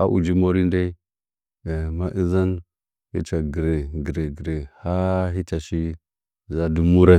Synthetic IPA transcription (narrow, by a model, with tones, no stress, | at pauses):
a̰˦ʔṵ˨d͡ʒi˦mo˦ɾi˦nda˦˨ | ma˦ʔi˦za˦n | hi˦t͡ʃa˨ɡi˨ɾe˨ɡi˨ɾe˨ɡɾe˨ha˦ɦi˦t͡ʃa˨ʃi˦˨ | za˦di˨˦mu˦ɾa˦